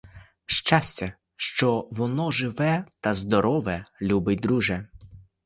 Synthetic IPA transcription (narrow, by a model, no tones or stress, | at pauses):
ʃt͡ʃasʲt͡sʲɐ | ʃt͡ʃɔʋɔnɔʒɪʋɛt̪ɐzd̪ɔɾɔʋɛlʲubɪtʲd̪ɾuʒɛ